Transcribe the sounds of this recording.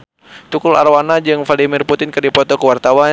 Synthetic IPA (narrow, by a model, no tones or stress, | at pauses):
t̪ukula̰rwanad͡ʒɨŋfadimɪrput̪ɪnkɨrdipɔt̪ɔkəwart̪awa